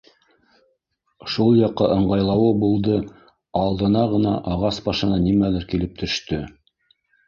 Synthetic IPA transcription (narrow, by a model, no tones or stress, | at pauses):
ʃulˠjɑqːɑʔɤ̆ɴɢɑjlˠɑwɤbulˠd̪ɤ | ɑlˠd̪ɤ̆nɑʁɤ̆nɑ̰ʔɑʁɑsbɑʃɤ̆nɑnimælɘɾkilɘp̚t̪ʰɵ̆ʃt̪ɵ